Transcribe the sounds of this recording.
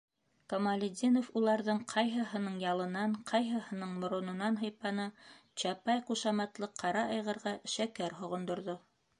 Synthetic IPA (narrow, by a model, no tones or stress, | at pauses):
komalʲɪd̪ʲinofulˠɑɾðɤɴqʰɑjɦɤ̆ɦɤ̆nɤɴjɑlˠɤ̆nɑɴqʰɑjɦɤ̆hɤ̆nɤɴmŏɾŏnɤ̆nɑnɦɤ̆jpɑnɤt͡ɕɑpɑjquʃɑmɑt̪lˠɤqʰːɑɾɑʔɑjʁɤ̆ɾʁɑʃækæɾɦŏʁŏnd̪ŏɾðo